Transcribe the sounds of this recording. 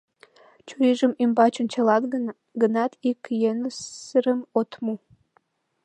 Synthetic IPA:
t͡ɕujiʒəmimbɑt͡ɕont͡ɕɑlɑ | ɡə̆nɑt̪ʰikjenəsəɾəmot̪mu

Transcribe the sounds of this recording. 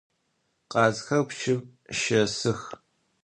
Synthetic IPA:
qɑːzxɐwpʃɪv | ʃɐsɨx

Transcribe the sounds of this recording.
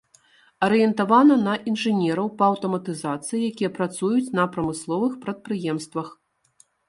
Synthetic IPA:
ɐɾɨjɛnt̪avanɐnɐʔinʐɨnʲɛɾɐwpɐːwt̪ɐmɐt̪ɨzat̪sɨjijakʲijɛpɾat̪sujut͡sʲnɐpɾɐmɨslˠɔvɨxpɾɐt̪̚pɾɨjɛmst̪vɐx

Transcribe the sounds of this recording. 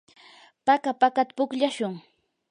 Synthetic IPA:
pakapakat̪ḁpʊkʎaʃʊŋ

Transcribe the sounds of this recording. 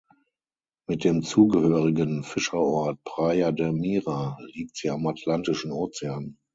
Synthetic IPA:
mɪt̚d̥eːmt͡suːɡəhøːʁɪɡənfɪʃɐɔɐt̚pʁ̥aɪadɛmiːʁaliːk̚tz̥iːamatʰlantɪʃn̩oːt͡sɛaːn

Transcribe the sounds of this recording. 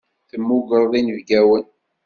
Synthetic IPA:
θəmːuɡəɾˤðˤinəvɡæwən

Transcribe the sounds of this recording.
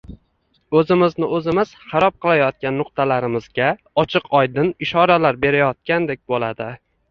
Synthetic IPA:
ɵzɪmɪznɪɵzɪmɪz̥χɑɾɒp̚qʰɨlˠajɒt̪̚kʲanːʊq̚t̪ʰalaɾɪmɪzɡʲa | ɒt͡ʃʰɨqʰɒjd̪ɪnɪʃɒɾalaɾbe̞ɾajɒt̪̚kʲand̪ek̚ʲbolad̪ɪ

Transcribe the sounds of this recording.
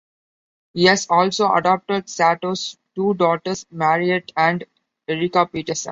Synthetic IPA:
hiːɦæzɔːlsoːʔɐ̰ɖɔːp̚ʈəɖsæʈoːsʈuːɖɔːʈəɾsmæːɾieʈæ̃ɳɖ | eɾɪkapiːʈəɾsə̰̃n

